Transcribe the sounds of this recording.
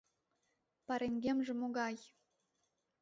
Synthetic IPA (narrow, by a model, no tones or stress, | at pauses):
pɑɾeŋɡʲemʒĕmoɣɑj